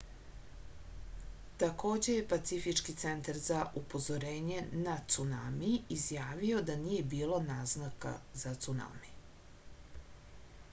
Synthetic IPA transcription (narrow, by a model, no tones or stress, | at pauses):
t̪ako̞ːd͡ʑe̞je̞pat̪sifit͡ʃkit̪se̞nt̪aɾzaʔupo̞zoɾeːɲe̞nat̪sunamiizjaːʋio̞d̪anije̞biːlo̞naːznaka̰zat̪suna̰mi